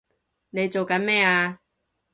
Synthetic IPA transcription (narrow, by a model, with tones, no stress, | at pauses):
ne˨˧jt͡so˨wkɐ˨˥nmɛː˥˩aː˧